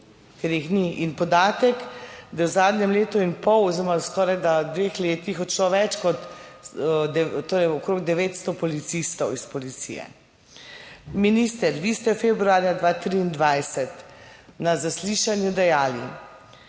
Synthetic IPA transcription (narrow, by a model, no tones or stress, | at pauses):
keɾixniʔinpɔd̪aːt̪ɛkd̪awzaːd̪nɛmleːt̪uinpɔwɔziɾɔmaskɔːɾajd̪ad̪ʋeːxleːt̪ixɔt̪ʃlɔʋɛt͡ʃkɔt̪ | d̪ɛt̪oːɾɛjɔkɾoɡ̚d̪ɛʋeːt̪st̪ɔpɔlit̪sist̪ɔwispɔlit̪sḭjɛ̰ | minist̪ɛɾʋiːst̪ɛfebɾuaːɾjad̪ʋaːt̪ɾiːnd̪ʋajsɛt̪nazasliːʃanjud̪ɛjaːlḭ